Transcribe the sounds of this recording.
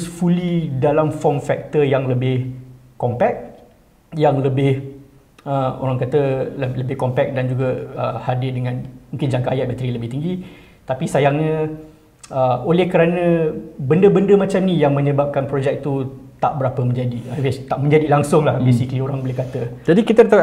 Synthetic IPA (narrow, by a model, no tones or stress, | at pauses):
sfulidalamfɔmfɛk̚t̪əjaŋləbɪh | kɔmpɛk̚ | jaŋləbɪh | əo̰ɾaŋkat̪ələbɪhkɔmpɛk̚dand͡ʒuɡaə̰hadɪrdəŋãnmũŋkɪnd͡ʒaŋkaajat̪̚mat̪əɾiləbɪht̪iŋɡi | t̪apisajaŋɲã | əolɛhkəɾanə̃bəndəbəndəmat͡ʃamnijaŋmə̃ɲə̃bap̚kanpɾod͡ʒɛk̚t̪ut̪a̰ʔbəɾapəmə̃ɲd͡ʒadiawɛst̪aʔmə̃ɲd͡ʒadilaŋsʊŋlahbesikəlioɾaŋbəlɪkat̪əd͡ʒadikit̪ədat̪a